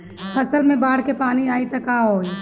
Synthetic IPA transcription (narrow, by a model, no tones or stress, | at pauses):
ɐsəlmẽbaːɽ̤kepaːniaːit̪ɐkaːɦoːi